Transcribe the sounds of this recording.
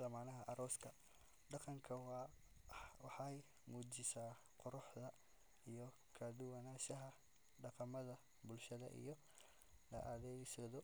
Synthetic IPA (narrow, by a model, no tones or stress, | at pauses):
lɐmaːnɐɦɐʔɐɾɔːskʰɐ | ɖɑqɑŋkʰɐw | wɑħɑj | muːd͡ʒɪsaː | qʊɾʊħðɐ | ijɔ | kʰad̪ʊwɐnaːʃɐɦɐ | ɖɑqɑmɐðɐ | bʊlʃɐðɐ̰ʔḭjɞ | lɐʔaðɛjsɔðɔ